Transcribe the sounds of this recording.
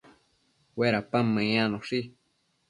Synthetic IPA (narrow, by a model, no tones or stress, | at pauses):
weɾapamə̃ãnõʂi